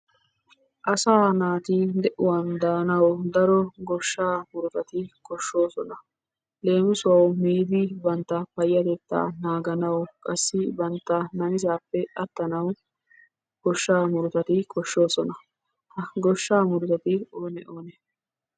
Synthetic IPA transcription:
ʔɐsaːnaːt̪id̪ɛʔʊwɐnd̪aːnɐwd̪ɐɾɔɡɔʃːaːmʊɾʊt̪ɐt̪ɪkɔʃːo̞ːsɔnɐ | le̞ːmɪsʊwɐwmiːd̪ɪbɐnt̪ːɐpɐjːɐd̪et̪ːa̰ːnaːɡɐnɐwkʼɐsːɪbɐnt̪ːɐnɐnɪzaːpːɛʔɐt̪ːɐnɐw | ɡ̥ɔʃːaːmʊɾʊt̪ɐt̪ɪkʰɔʃːo̞ːsɔnɐ | hɐɡɔʃːaːmʊɾʊt̪ɐt̪ɪoːnɛʔoːnɛ

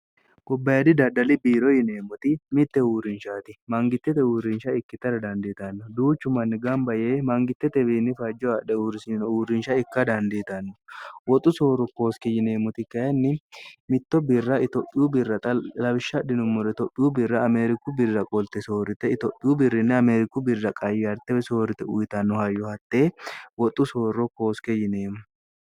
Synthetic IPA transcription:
kʼɔbːɐjɐd̪ɪd̪ɐd̪ɐlɪbiːɾɔjɪneːmːʊt̪ɪmɪt̪ːɛuːɾɪnʃaːt̪ɪmɐŋɡɪt̪ːɛt̪ɛuːɾɪnʃɐɪkːɪt̪ːɐɾɐd̪ɐnd̪iːt̪ɐnːɔd̪uːt͡ʃːʊmɐnːɪɡɐmbɐjeːmɐŋɡɪt̪ːɛt̪ɛbiːnːɪfɐd͡ʒːɔɐᶑɛuɾsɪnuːɾɪnʃɐɪkːɐd̪ɐnd̪iːt̪ɐnːɔwɔt̪ʼʊsoːɾʊko̞ːskɪjɪneːmʊt̪ɪkːɐjɐnːɪmɪt̪ːɔbɪrːɐɪt̪ɔʔʼːɪjubɪrːɐt̪ʼɐlɐbɪʃːɐᶑɪnʊmːɔɾɛt̪ɔpʼːɪubɪrːɐɐmeːɾɪkʊbɪrːɐkʼɔlt̪ɛsoːɾɪt̪ɛɪt̪ɔpʼːɪubɪrːɪnːɪɐmeɾɪkːʊbɪrːɐkʼɐjɪɐɾt̪ːɛbɛso̞ːɾɪt̪ɛʊjt̪ɐnːɔhɐjːɔhɐt̪ːeːwɔt̪ʼːʊso̞ːrːɔko̞ːskɛjɪneːmʊ

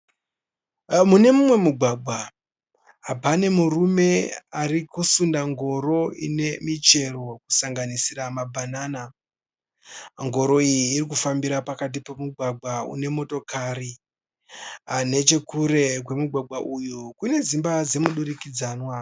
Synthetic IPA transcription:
mune̞mumwe̞muɡʱwaɡʱwa | ɦapane̞murume̞arikusundaŋɡo̞ɾo̞ḭne̞mit͡ʃe̞ro̞ku̥saŋɡanisiramabʱanaːna | ŋɡo̞ɾo̞ijiːrik̬ufambiɾapakat̬ipomuɡʱwaɡʱaṵne̞mo̞to̞kaɾi | ane̞t͡ʃe̞kuɾe̞kwe̞muɡʱwaɡwaʔujukune̞zimbad͡ze̞muɗuɾikid͡zaːnwa

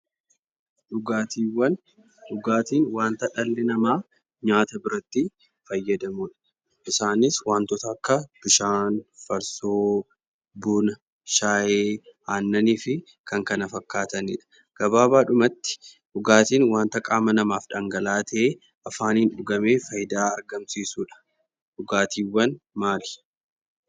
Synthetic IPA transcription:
ᶑʊɡaːt̪iːwːɐn | ᶑʊɡaːt̪iːnwaːnt̪ɐᶑɐlːɪnɐmaː | ɲaːt̪ɐbɪɾɐt̪ːɪ | fɐjːɐd̪ɐmʊᶑɐ̥ | ʔɪsaːnɪswaːnt̪ɔt̪ɐːkːɐb̥ɪʃaːnfɐɾsoː | buːnɐ | ʃaːjeːaːnːɐniːfɪ | kɐŋkɐnɐfɐkːaːt̪ɐnɪᶑɐ̥ | ɡ̥ɐbaːbaːᶑʊmɐt̪ːɪ̥ | ᶑʊɡaːt̪iːnwaːnt̪ɐkʼaːmɐnɐmaːfᶑɐŋɡɐlaːt̪e | ʔɐfaːniːnᶑʊɡɐme̞ːfɐjd̪aːɐɾɡɐmsiːsuːᶑɐ̥ | ᶑʊɡaːt̪ʰiːwːɐnmaːlɪ̥

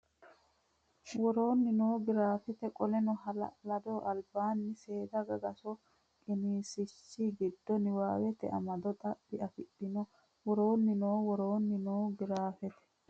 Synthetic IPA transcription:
wɔɾo̞ːnːɪnoːɡɪɾaːfɛt̪ɛkʼɔlɛnɔɦɐl̰lɐd̪oʔɐlbaːnːɪse̞ːd̪ɐɡɐɡɐsɔ | kʼɪniːsɪt͡ʃːiɡɪd̪ːɔnɪwaːwɛt̪ɛ̰ʔɐ̰mɐd̪ɔt̪ʼɐbːɪɐfɪɗːɪnɔ | wɔɾoːnːɪnoːwɔɾoːnːɪnoːɡɪɾaːfɛt̪ɛ̥

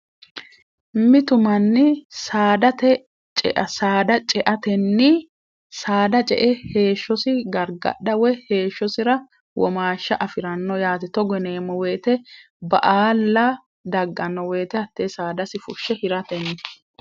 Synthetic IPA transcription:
mɪt̪ʊmɐnːɪsaːd̪ɐt̪ɛ | t͡ʃʼɛ̰ʔɐsaːd̪ɐt͡ʃʼɛʔɐt̪ɛnːɪ | saːd̪ɐt͡ʃʼɛ̰ʔɛhe̞ːʃːɔsɪɡɐɾɡɐ̰ɗɐwɛhe̞ːʃːɔsɪɾɐ | wɔ̰maːʃːɐʔɐfɪɾɐnːɔjaːt̪ɛt̪ɔɡɛneːmɔweːt̪ɛ | bɐ̰ʔaːlːɐ | d̪ɐɡːɐnːɔweːt̪ɛɐt̪ːeːsaːd̪ɐsɪfʊʃːɛhɪɾɐt̪ɛnːɪ

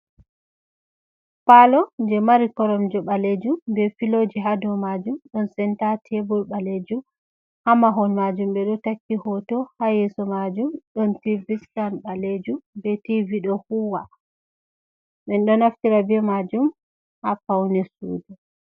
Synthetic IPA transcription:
palɔnd͡ʒɛmaɾikɔɾɔmd͡ʒɔɓaled͡ʒumbɛfilod͡ʒiɦadɔmad͡ʒumɗɔnsɛntatʰɛbɔlɓaled͡ʒum | hamaɦɔnmad͡ʒumɓɛɗɔtakːihɔtɔhajɛsɔmad͡ʒumɗɔntiviskanɓaled͡ʒumbɛtiviɗɔhuwa | ɓɛnɗɔnaftiɾabɛmad͡ʒum | hapawnɛsṵːdɛ

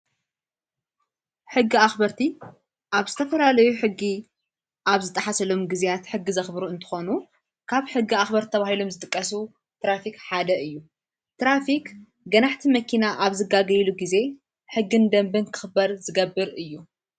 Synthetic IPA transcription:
ħɨɡːiaxbɐɾt̪ʰi | ʔaβzɨt̪ʰɐfɐlalɐjuħɨɡːi | ʔaβzɨt̪ʼɐħasɐlomɡizijat̪ħɨɡːizɐxbɾuɨnt̪ʰɨ̥xo̞nu | kʰaβħɨɡːiaxbɐɾʰɐβahilo̞mzɨt̪ʼɨkʼːɐs̬u | t̪ɾafikħad̪ɐɨjːu | t̪ɾafik | ɡɐnaħt̪ʰimɐkʰinaʔaβzɨɡaɡɐjluɡize̞ | ħɨɡːɨnd̪ɐmbɨnkʰɨ̥xɨbɐɾzɨɡɐbːɨɾɨjːu

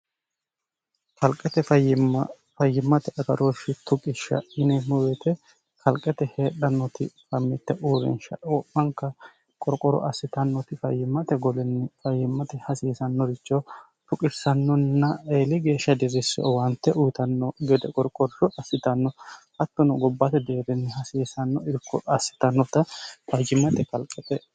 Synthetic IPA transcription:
kɐlkʼɛt̪ɛfɐjɪ | fɐjːɪmːɐt̪ɛʔɐɡɐɾoːʃɪt̪ʊkʼɪʃɐ̰ʔɪnɛmʊwɛt̪ɛ | kʰɐlkʼːɛt̪ɛheːɗɐnːɔt̪ɪ̰fɐmːɪt̪ːɛʔuːɾɛ̰nʃɐ̰wɔpːɐŋkːɐ | kʼɔɾkʼɔɾɔ̰ʔɐsːɪt̪ɐnːɔt̪ɪfɐjːɪmːɐt̪ɛɡɔlɛnːɛfɐjːɪmːɐt̪ɛhɐsiːsɐnːɔɾɪt͡ʃːɔ | t̪ʊkʼɪsːɐnːɔnːɐeːlɪɡe̞ːʃːɐd̪ɪɾɪsɔ̰wɐnt̪ːɛʔʊjt̪ɐnːɔɡɛd̪ɛkʼɔɾkʼɔɾɾɔʔɐsːɪt̪ɐnːɔhɐt̪ːɔnɔɡɔbːɐt̪ɛd̪eːɾɛnːɛhɐsiːsɐnːɔɪɾɪkʰːɔɐsːɪ̥t̪ɐnːɔt̪ɐfɐjɪmːɐt̪ɛkɐlkʼːɛt̪ɛ

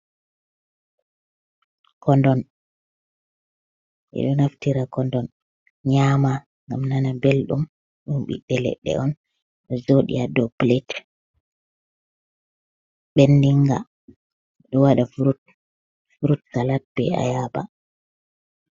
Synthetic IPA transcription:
kɔndɔn | ʔɛ̰ɗɔnaftiɾakɔndɔn | ɲama | ŋɡamnanabelɗum | ɗumɓḭɗːɛlɛ̰ɗːɛ̰ʔɔn | ɗɔzoɗḭadɔplet | ɓendiŋɡa̰ | ɗɔwaɗafɾt | fuɾutkalat̚bɛa̰jaba̰

